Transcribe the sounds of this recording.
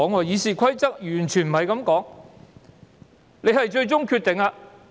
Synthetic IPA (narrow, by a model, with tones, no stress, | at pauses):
ɔː˨˥ŋːɔː˨˧jiː˨˧siː˨kʷʰɐ˥jt͡sɐ˥k̚jyː˨˩nt͡ʃʰyː˨˩nm̩˨˩ɦɐ˨jkɐ˨˥mkɔː˨˥ŋ | le˨˧jhɐ˨jt͡ʃɵ˧ɥt͡ʃʊ˥ŋkʰyː˧t̪ɪ˨ŋaː˧